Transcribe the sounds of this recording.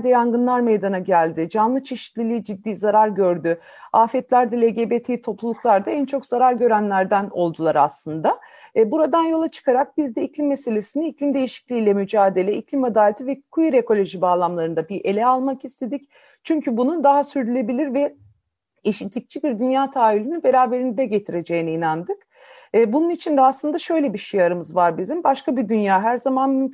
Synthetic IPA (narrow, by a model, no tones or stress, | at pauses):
d̪ɛjaŋɡɯnlˠaɾmejd̪anaɟælʲd̪ɪd͡ʒanlˠɯt͡ʃʰeʃi̥t̪lʲilʲiːd͡ʒid̪ːiːzaɾaɾɟø̞ɾd̪y | aːfɛt̪lʲæɾd̪ɛlʲeɟe̞bet̪ʰiit̪ʰo̞plˠulˠuklˠaɾd̪aænt͡ʃʰo̞kzaɾaɾɟø̞ɾænlʲæɾd̪æno̞lˠd̪ulˠaɾa̰slˠɯnd̪abuɾad̪anjo̞lˠat͡ʃʰɯ̥kʰaɾak̚bizd̪ɛiclʲimːese̞lʲe̞siniiclʲimd̪e̞jiʃi̥clʲiːlʲɛmyd͡ʒaːd̪e̞lʲɛiclʲimad̪aːlʲet̪ivɛkʰujiɾeko̞lʲo̞ʒibaːlˠamlˠaɾɯnd̪abiʔe̞lʲɛalˠmakist̪ʰe̞d̪ic | t͡ʃʰyɲcʰybunud̪aɦasyɾd̪ylʲe̞bilʲiɾvɛ | eʃit̪lʲic̚t͡ʃʰibiɾd̪ynjaːt̪ʰaːylʲynynbe̞ɾaːbe̞ɾinid̪ɛɟe̞t̪ʰiɾe̞d͡ʒe̞jiniːnand̪ɯkː | bununit͡ʃʰind̪ɛaslˠɯnd̪aʃø̞jlʲebiʃijaɾɯmɯzvaɾbizimbaʃkabid̪ynjaːɦæɾzamanmy